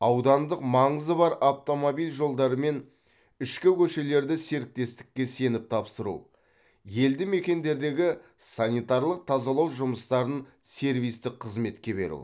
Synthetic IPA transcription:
ɑwd̪ɑnd̪əqmɑɴəzəbɑɾaft̪o̞mobijlʲʒo̞lˠd̪ɑɾəme̞n | ɪʃkʲɪkʲʰɵʃe̞le̞ɾd̪ɪse̞ɾɪk̚t̪e̞st̪ɪ̥kʲːe̞se̞nɪp̚t̪ʰɑpsəɾṵ | je̞ld̪ɪme̞kʲe̞nd̪e̞ɾd̪e̞ɡʲɪsanijt̪ɑɾlˠəq̚t̪ʰɑzɑlˠɑwʒʊməst̪ɑɾənse̞ɾvijst̪ɪqqʰːəzme̞t̪kʲe̞be̞̰ɾṵ

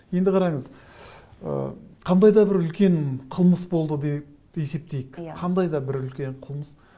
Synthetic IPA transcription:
je̞nd̪ɪqʰɑɾɑɴəz | ə̰qʰɑnd̪ɑjd̪ɑbɪɾʏlkʲe̞ɴqʰəlˠməsbo̞lˠd̪əd̪ep | e̞se̞p̚t̪e̞jɪkqʰɑnd̪ɑjd̪ɑbɪɾʏlkʲe̞ɴqʰəlˠməs

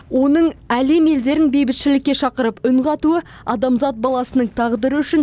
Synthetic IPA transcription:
wʔo̞nəɴæle̞me̞ld̪e̞ɾɪnbejbɪt̪ʃɪlɪkʲːe̞ʃɑqəɾəpʏɴʁɑt̪uə | ɑ̰d̪ɑmzɑt̪̚bɑlˠɑsənəɴt̪ʰɑʁd̪əɾəʏʃɪn

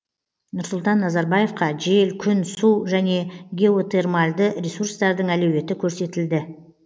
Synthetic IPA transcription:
nʊɾsʊlˠt̪ɑnːɑzɑɾbɑje̞fqɑʒelkʲʰʏnsuʒæne̞ɡʲe̞ot̪e̞rmɑlʲd̪əɾʲesurst̪ɑɾd̪əɴælɵwe̞t̪ɪkʲʰɵɾse̞t̪ɪld̪ɪ

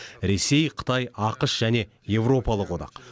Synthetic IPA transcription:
ɾe̞se̞jqʰə̥t̪ɑjɑqəʃʒ̥æne̞ | je̞vro̞pɑlˠəqwod̪ɑ̰q

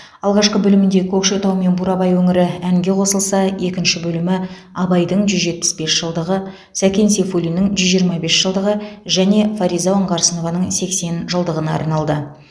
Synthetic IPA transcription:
ɑlˠʁɑʃqəbɵlɪmɪnd̪e̞kʲʰɵkʃet̪ɑwme̞nbuɾɑbɑjwɵŋɪɾɪæŋɡʲe̞qʰo̞səlˠsɑe̞kʲɪnʃɪbɵlɪmɪ | ɑbɑjd̪əɴʒʏzʒe̞t̪̚pɪ̥sbe̞sʒ̥əlˠd̪əʁə | sækʲe̞nse̞fulʲijnɪŋʒʏzʒijəɾmɑbe̞sʒ̥əlˠd̪əʁəʒæne̞faɾijzaəɴqʰɑɾsəno̞vɑnəɴse̞kse̞nʒəlˠd̪əʁənɑɑ̰ɾnɑlˠd̪ə

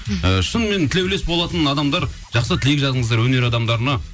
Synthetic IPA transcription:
əʃənme̞nt̪ʰɪlewlesbo̞lˠɑt̪ənɑd̪ɑmd̪ɑɾ | ʒ̥ɑqsət̪ʰɪleɡʲʒɑzəɴəzd̪ɑɾwɵne̞ɾɑd̪ɑmd̪ɑɾənɑ

